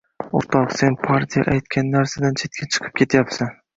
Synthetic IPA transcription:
oɾt̪ʰɒqse̞npʰaɾt̪ʲʰija̰ʔajt̪kʲanːaɾsad̪ant͡ʃʰe̞t̪̚kʲʰat͡ʃʰɨ̥qʰɨ̥p̚kʲʰe̞t̪ʰjapsan

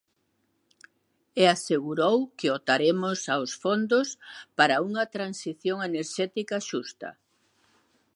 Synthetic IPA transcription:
easeɣuɾowkɪot̪aɾemʊsawsfond̪ʊspaɾɐuŋɐt̪ɾansiθjoŋeneɾʃɛt̪ikɐʃust̪ɐ̰

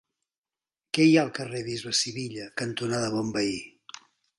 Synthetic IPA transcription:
kɛjaəlˠkəreβ̞izβəsiβiʎəkənt̪unaðəβɔmbəi

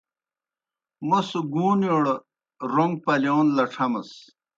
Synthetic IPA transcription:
mosuɡuːnjoɽ | ɾoŋɡ̚pɐljoːnlɐʈ͡ʂʰɐmɐs

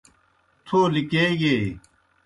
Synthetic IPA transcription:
t̪ʰoːlikeːjeː

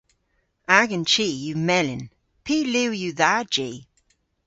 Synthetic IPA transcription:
aɡənt͡ʃiːjumɛlɪn | pʰiːliwjuðad͡ʒiː

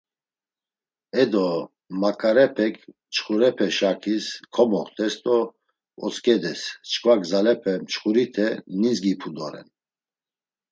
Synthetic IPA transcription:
ɛd̪ɔ | makʼaɾɛpʰɛkʰ | t͡ʃʰχuɾɛpʰɛʃakʰiskʰɔmɔχt̪ʼɛst̪ʼɔ | ɔ̰t͡skʼɛd̪ɛst͡ʃʰkʰʼvaɡzalɛpʰɛmt͡ʃʰχuɾit̪ʰɛninzɡipʰud̪ɔɾɛ̰n

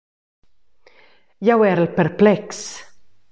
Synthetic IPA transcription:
jawɛɾlpʰɛɾpʰlɛks

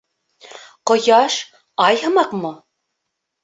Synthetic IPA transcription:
qŏjɑʃ | ɑjhɤ̆mɑqmo

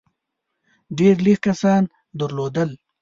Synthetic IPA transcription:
ɖeɾlihkɐsɑːn | d̪əɾloːd̪əl

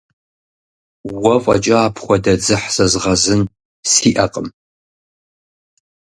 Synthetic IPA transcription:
wɐfʷʼɐ̰t͡ʃʼɐːpʰχʷɔdɐd͡zɨħz̥ɐzʁɐzɨn | siːʔɐqʼəm

